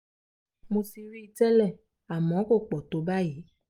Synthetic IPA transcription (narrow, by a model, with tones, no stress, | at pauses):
mo˧si˧ɾi˦i˧tɛ˦lɛ˦˨ | a˨mɔ̃˨˦ko˦˨k͡pɔ˨to˨˦ba˦ji˨˦